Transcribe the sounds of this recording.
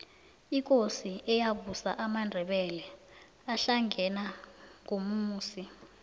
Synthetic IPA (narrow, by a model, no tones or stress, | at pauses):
ik̬ʼosiɛjaɓusaʔamandʱɛɓɛlɛ | aɬaŋɛnaŋomuːsi